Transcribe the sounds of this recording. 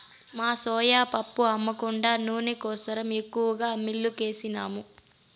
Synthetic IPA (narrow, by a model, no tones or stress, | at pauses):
maːsɔːjaːpɐpːuɐmːɐkuɳɖaːnuːnikɔːsɐɾɐme̞kːuʋɐɡaːmilːuke̞ːsinaːmu